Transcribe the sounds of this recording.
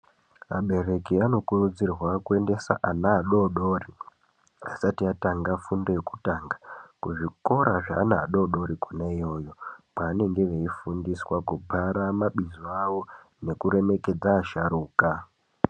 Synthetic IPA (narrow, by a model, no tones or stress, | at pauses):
a̰ɓe̞re̞kiano̞kurud͡zirwakue̞nde̞sa̰ʔanaːɗo̞ɗo̞ri | asatiataŋɡafundojeku̥taːŋɡakuʐiko̞ɾaʐaːnaːɗo̞ɗo̞ɾikunaijo̞jo̞paːne̞ŋɡe̞ʋe̞ifundiswakubʱaɾamaɓizoaʋo̞ | ne̞kuɾe̞me̞ke̞d͡zaːʃaɾuːka